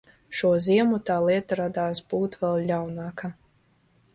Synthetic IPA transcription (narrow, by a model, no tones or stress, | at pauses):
ʃuɔziɛmut̪aːlˠiɛt̪aɾad̪aːsbuːt̪vɛlˠlʲawnɑːka